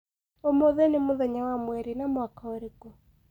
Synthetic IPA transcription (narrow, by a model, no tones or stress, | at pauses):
omoðɛnemoðɛɲawamwɛɾinamwakaoɾeko